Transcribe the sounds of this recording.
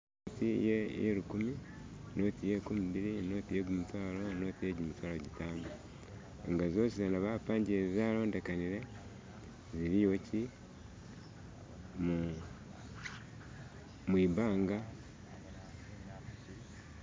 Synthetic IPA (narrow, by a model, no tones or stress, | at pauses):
notijejḛɾukumi | no̞ːtijekumiβiɾino̞ːtijeɡumutwaːlo̞no̞ːtijeɟumutwaːloɟitaːma | ḛŋɡazo̞ːsizenaβapaːɲɟiezaːlo̞ːnde̞kaniɾe̞ | ziɾijo̞ci | mu | mwiːbaːŋɡa